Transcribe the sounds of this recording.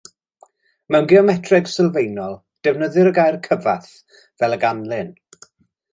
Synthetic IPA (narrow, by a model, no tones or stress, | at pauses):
mɛwnɡɪɔmɛtʰrɛɡsɪlˠvejnɔlˠ | d̥ɛvnəðɨɾəɡajrkʰəvaθ | vɛlˠəɡanlˠɨn